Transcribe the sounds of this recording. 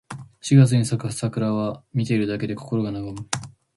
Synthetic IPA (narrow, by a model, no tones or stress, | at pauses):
ɕiɡat͡sɨɲ̟isakɯ̥sakɯ̟ɾaβamʲit̪e̞iɾɯ̟d̪ake̞d̪e̞koko̞ɾo̞ɡanaɡamɯ